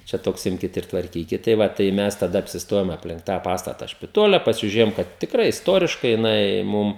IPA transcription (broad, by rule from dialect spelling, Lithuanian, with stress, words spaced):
t͡ʃʲɛ ˈtoːks ˈɪmʲkʲɪt ɪr tʋɐrʲˈkʲiːkʲɪt tɐɪ ˈʋɐ tɐɪ ˈmʲɛs tɐˈdɐ ɐpʲsʲɪsˈtoːjoːm ɐpʲˈlʲɪŋk tɑː ˈpɑːstɐtɐ ʃʲpʲɪˈtoːlʲɛ pɐsʲɪʒʲʊˈrʲeːjoːm ˈkɐt tʲɪkˈrɐɪ ɪsˈtoːrʲɪʃkɐɪ jɪˈnɐɪ ˈmʊm